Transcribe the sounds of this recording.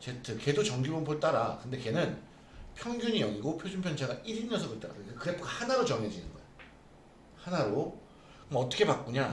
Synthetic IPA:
t͡ɕe̞tʰɯke̞dot͡ɕʌŋɡubonpʰoɭt͈aɾa̰kɯnde̞ke̞nɯn | pʰjʌŋɡʲjuɲijʌŋiɡopʰjod͡ʑumpʰjʌnt͡ɕʰaɡaʔiɾiɲʌsʰʌɡɯɭt͈aɾa̰okkɯɾe̞pʰokahanaɾot͡ɕʌŋɦed͡ʑinɯnɡʌḛo | hanaɾo | kɯnɡaʌt͈ʌ̥kʰe̞pak̚k͈uɲa

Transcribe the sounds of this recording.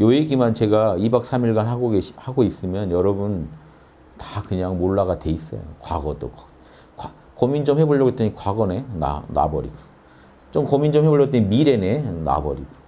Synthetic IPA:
joeɡimant͡ɕe̞ɡaibak̚s͈ʰamiɭɡanɦaɡoɡeɕhaɡois͈ɯmjʌnjʌɾʌbun | takɯɲaŋmoɭːaɣadwe̞is͈ʌ̰jo̰kwa̰ɡʌdo̰k | kwa | komind͡ʑʌmɸeboɭʌɡet͈eɲikwaɡʌne̞na̰na̰bʌɾḭɡo̥ | t͡ɕomkomind͡ʑʌmheboɭjʌɡt͈eimiɾe̞ne̞na̰bʌ̰ɾḭɡo

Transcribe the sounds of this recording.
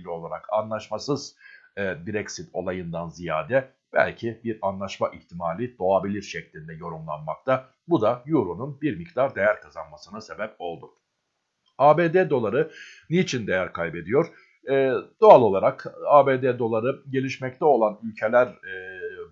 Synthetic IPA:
lʲio̞lˠaɾa̰ka̰nlˠaʃmasɯz̥ | b̪iɾecsit̪ʰo̞lˠajɯnd̪anzija̰ːd̪ɛ | b̥æ̰lʲcʰibiɾanlˠaʃmaʔiçt̪ʰimaːlʲid̪̥o̞abilʲiɾʃɛclʲind̪ɛjo̞ɾumlˠa̰nma̰k̚t̪ʰa | bud̪ajuɾununbiɾmikd̪aɾd̪e̞jæɾkʰazanmasɯnase̞bɛp̚o̞lˠd̪ʊ | aːbeːd̪ed̪o̞lˠaɾɯnit͡ʃʰind̪ejæɾkʰajbe̞d̪ijo̞ɾ̥ | ɛːd̪̥oalˠo̞lˠaɾakaːbeːd̪ed̪o̞lˠaɾɯɟe̞lʲiʃmɛc̚t̪ʰɛo̞lˠanylʲcʰe̞lʲæɾ

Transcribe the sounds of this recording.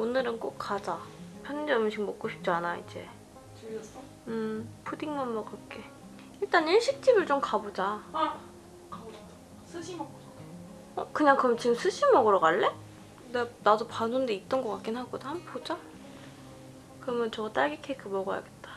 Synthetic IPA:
onɯɾɯnk͈ok̚k͈ad͡ʑapʰjʌnd͡ʑeʌmɯɕʰiŋmʌk͈oɕʰi̥p̚t͡ɕ͈ianaḭd͡ʑe̞̰ | ɯpʰudiŋmʌmmʌkak͈e | iɭt͈aniɭɕʰik̚t͡ɕ͈ibɯɭt͡ɕ͈omkabod͡ʑa | k | ʌkɯɲaŋkɯɯmt͡ɕiɡɯmsʰɯɕ͈ʰimʌɡɯɾʌɡaɭːe | denadopanundeit̚t͈ʌnɡʌk͈ak͈inɦaɡodhanpod͡ʑa | kɯɾʌmjʌnt͡ɕʌɡat͈aɡikʰekʰɯmʌɡʌja̰ɡe̞t̚t͈ḁ

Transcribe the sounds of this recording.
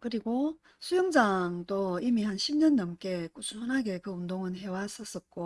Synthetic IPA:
kɯɾiɡo | sʰujɯŋd͡ʑaŋtoimihanɕʰibɲʌnːʌmk͈e̞k͈ot͡ɕʰuɯnɦaɡe̞kɯundoŋɯnɦe̞was͈ʌs͈ʌk͈o

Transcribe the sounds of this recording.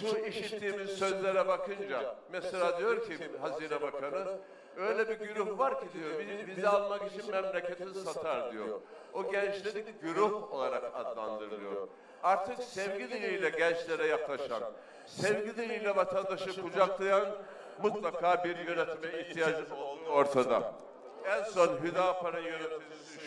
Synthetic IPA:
ʃuniʃit̪ʰːiːmizsø̞zlʲeɾɛbakʰɯnd͡ʒa̰mɛselʲaːd̪ijo̞ɾcʰiɦaziːnɛbakʰanɯ | ø̞jlʲɛbiɟyɾuhvaɾcʰid̪ijo̞ɾbibizɛalˠmakit͡ʃʰinmɛmlʲecʰet̪ʰinsat̪ʰaɾd̪ijo̞̰ɾ | oɟɛnt͡ʃlʲed̪ikɟyɾuho̞lˠaɾaka̰d̪lˠa̰nd̪ɯɾɯlˠɯjo̞̰ɾ | aɾt̪ʰɯksɛvɟid̪ilijlʲɛɟɛnt͡ʃlʲeɾɛjaklˠaʃa̰n | sɛvɟid̪ilijlʲɛvat̪ʰand̪aʃɯkʰud͡ʒaklˠajan | mut̪lˠakʰaːbiɾjø̞nɛt̪mɛiht̪ʰijaːd͡ʒɯmo̞lˠd̪uːo̞ɾt̪ʰad̪a̰ | ænso̞nɦyd̪aːpʰaɾajønɛt̪milid̪y

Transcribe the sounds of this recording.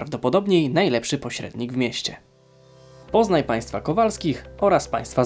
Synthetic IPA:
ɾavd̪ɔpɔd̪ɔbɲejnajlɛpʂɘpɔɕɾɛ̰d̪ɲiɡvmʲjɛɕt͡ɕɛ | pɔznajpaj̃st̪fakɔvalskʲixʔɔɾaspaj̃st̪fa

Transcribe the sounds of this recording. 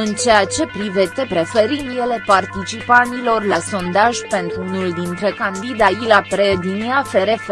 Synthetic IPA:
ɨnt͡ʃejat͡ʃe̞pɾivet̪epɾe̞fe̞ɾind̪je̞le̞part̪it͡ʃipant̪ilo̞rlaso̞nd̪aʒpe̞nt̪ɾuunuld̪int̪ɾe̞kand̪id̪ailat̪ɾed̪iniafe̞ɾe̞f

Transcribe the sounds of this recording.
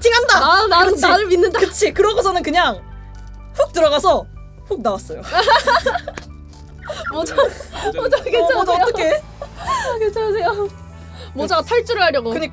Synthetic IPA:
t͡ɕiŋɦandananaɯt͡ɕʰaɾɯɭminːɯndakɯt͡ɕʰikɯɾʌɡosʰʌnɯnkɯɲaŋ | ɸuk̚t͈ɯɾʌɣasʰʌ | ɸuk̚nawas͈ʌjo | mod͡ʑaod͡ʑakeajot͈ʌkʰe | ket͡ɕʰas̬ʰejo | mod͡ʑasʰaɭt͡ɕ͈uɾɯɭɦaɾjʌɡokɯɲik

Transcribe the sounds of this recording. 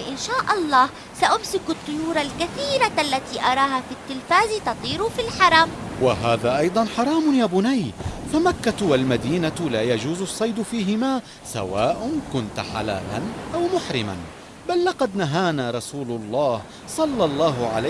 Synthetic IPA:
ɪʔɪnʃaːʔɑlˤːɑːh | saʔʊmsɪkʊt̪ˤːʊjuːɾˤalkaθiːɾaʔalːat̪iːʔɑɾˤɑːɦaːfit̪ːɪlfaːzt̪ɑt̪ˤiːɾʊfilħɑɾˤɑmwaɦaːðaːʔɑjd̪ˤɑnħɑɾˤɑːmʊnjaːbʊnajfamakːawalmad̪iːnalaːjad͡ʒuːzsˤːɑjd̪fiːɦɪmaː | sa̰waːʔʊnkʊnt̪ħa̰la̰ːla̰nʔawmʊħɾɪma̰n | balːɑqɑd̪naɦaːnaːɾˤɑsuːlʊlˤːɑːh | sˤɑlːɑlˤːɑːɦʊʕala

